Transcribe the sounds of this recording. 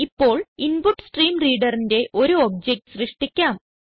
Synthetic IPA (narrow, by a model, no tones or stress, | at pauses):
ipːo̞ːɭinbuʈːsʈriːmriːɖɐrinde̞ʔo̞ɾuoːb̚d͡ʑek̚ʈsrɨʂʈikʲːaːm